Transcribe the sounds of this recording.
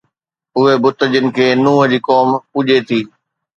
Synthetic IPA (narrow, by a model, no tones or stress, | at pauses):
ʊɦebʊt̪əd͡ʑʊnɪ̆kʰeːnũːɦ̆d͡ʑiːkoːmpuːʄet̪ʰiː